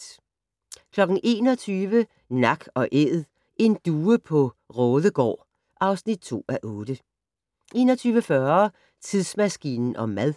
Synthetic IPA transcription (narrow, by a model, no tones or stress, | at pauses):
kʰlɒ̽ɡ̥n̩ʔe̝̰ːnɒ̽t͡sʰyːʋə | nɑ̈ɡ̥ɒ̽ʔeð̩ˠ | ʔe̝nd̥uːəpʰɒ̽ʁɔ̽ːðˠəɡ̥ɒ̰ː | ʔɑ̈ʊsnid̥̚t͡sʰo̝̰ːæʔɔ̽ːd̥ə | ʔe̝̰ːnɒt͡sʰyːʋəfɶɐ | t͡sʰiðˠsmæsɡ̥ḭːnn̩ʔɒ̽mæðˠ